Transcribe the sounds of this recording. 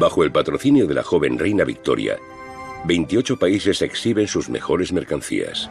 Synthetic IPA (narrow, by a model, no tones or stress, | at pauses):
baxoe̞lpat̪ɾo̞θinjoðe̞la̰xo̞βe̞nrejnaβḭk̚t̪o̞̰ɾja̰ | be̞jnt̪io̞t͡ʃo̞paise̞se̞ksiβe̞nsuzme̞̰xo̞ɾe̞zme̞ɾkanθḭa̰s